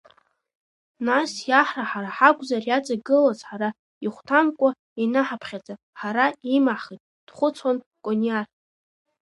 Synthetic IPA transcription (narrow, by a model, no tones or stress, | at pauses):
nasjaħraħaɾaħaɡʷʼzarjat͡sʼaɡɨlazħaɾa | iχʷtʰamkʷʼa | inaħapʰχʲad͡zʼa | ħaɾaimaχijtʼ | d̥χʷʊt͡sʰwan | kʼoniar